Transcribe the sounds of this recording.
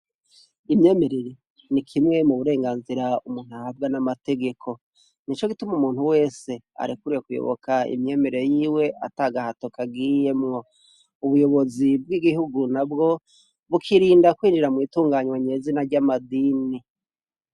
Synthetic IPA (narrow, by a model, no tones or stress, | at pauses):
imɲe̞ːme̞ɾeɾe̞ | nikʰimŋe̞muβuɾe̞ːŋɡaːnziɾaumuːn̥hahab̚ɡanamate̞ɡe̞kʰo̞ | nit͡ʃo̞ɡitumumuːn̥huwe̞ːse̞ | a̰ɾikuɾijekujo̰βo̞̰kʰaḭmɲe̞ːme̞ɾe̞jiːwe̞ʔataːɡahato̞kaɡiːjemŋo̞ | uβujo̞βo̞zib̚ɡiːɡihuɡunabɡo̞ | βukʰiɾiːndakwiːnd͡ʒiɾamŋiːtuːŋɡaːɲwaɲezinaɾɟamadiːni